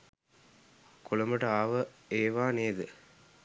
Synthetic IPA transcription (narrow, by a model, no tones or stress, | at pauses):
kʊlɐmɐʈɐaːʋɐeːʋaːneːðɯ